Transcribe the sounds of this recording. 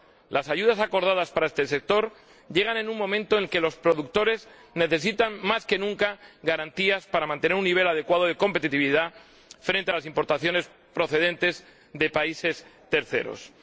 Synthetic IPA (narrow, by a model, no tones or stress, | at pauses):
lʔasaʝuð̞asako̞ɾð̞að̞aspaɾaest̪e̞se̞k̚t̪o̞ɾ | ʝe̞ɣ̞ane̞nuŋmõ̞mẽnt̪oelke̞lo̞spɾo̞ðuk̚t̪o̞ɾe̞z | ne̞θe̞sit̪aŋmaske̞nũŋkaɣaɾant̪iaspaɾamãnt̪e̞ne̞ɾunːiβ̞e̞laðe̞kwað̞oðe̞ko̞mpe̞t̪it̪iβiða | fɾe̞nt̪ealasimpo̞ɾt̪aθjo̞ne̞s | pɾo̞θe̞ðẽ̞nt̪e̞z | ðe̞paise̞st̪e̞ɾθe̞̰ɾo̰s